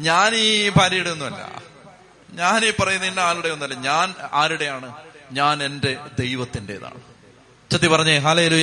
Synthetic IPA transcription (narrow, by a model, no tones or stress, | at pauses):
ɲaːniːbʱaːɾijeɽuunːuʋɐlːɐ̰ | ɲaːniːpɐrɐjunːɐilːɐaːɭuɽe̞onːuʋɐlːɐɲaːnaːɾuɽe̞jaːɳɨɲaːne̞nde̞d̪e̞jʋɐt̪ːindeeða̰ːʋ | t͡ɕɐt̪ːipɐrɐɲːɐɦɐleːluːjɐ